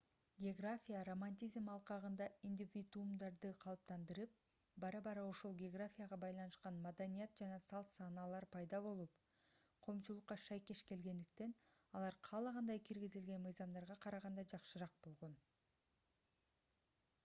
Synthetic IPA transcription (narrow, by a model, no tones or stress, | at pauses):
ɡʲeoɡrafʲijaro̞manʲt̪ʲizmɑlˠqɑʁɯnd̪ɑinʲd̪ʲivʲid̪uumd̪ɑɾd̪ɯqʰɑlˠɯp̚t̪ɑnd̪ɯɾɯp̚ | bɑɾɑbɑɾɑoʃo̞lˠɡʲeoɡrafʲijaʁɑbɑjlˠɑnɯʃqɑnmad̪anʲijat̪̚d͡ʒɑnɑsɑlˠt̪sɑːnɑlˠɑɾpʰɑjd̪ɑβo̞lˠup | qʰo̞ːmt͡ʃulˠuqːɑʃɑjke̞ʃke̞lɡe̞nd̪ik̚t̪e̞nɑlˠɑɾqʰɑlˠɑʁɑnd̪ɑjkʰiɾɡizilɡe̞nmɯjzɑmd̪ɑɾʁɑqʰɑɾɑʁɑnd̪ɑd͡ʒɑqʃɯɾɑq̚bo̞lˠʁo̞n